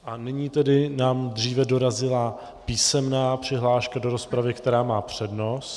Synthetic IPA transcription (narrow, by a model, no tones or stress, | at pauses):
ʔanɪɲiːt̪ɛdɪnaːmd̪r̝iːvɛdo̞ɾazɪla | piːsɛmnaːpr̝̥ɪɦlaːʃkado̞ɾo̞spɾavɪkt̪ɛɾaːmaːpr̝̥ɛdno̞s